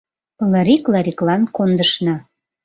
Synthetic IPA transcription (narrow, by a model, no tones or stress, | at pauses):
lɑɾiklɑɾiklɑnkond̪əʃnɑ